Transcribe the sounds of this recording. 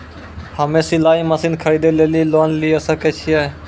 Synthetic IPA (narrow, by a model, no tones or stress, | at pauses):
həmeːsiːlaːĩːməsiːnkʰəɾiːd̪eːleːliːloːnliːəsãːkeːt͡ʃʰiːaːeː